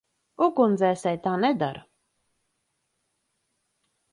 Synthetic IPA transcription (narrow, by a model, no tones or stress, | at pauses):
ukund̪zɛːsɛjt̪aːnɛd̪a̰ɾ